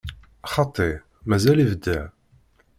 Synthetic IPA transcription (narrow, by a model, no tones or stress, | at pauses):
χɑt̪ˤːeʕ | mæzælivəd̪ːəʕ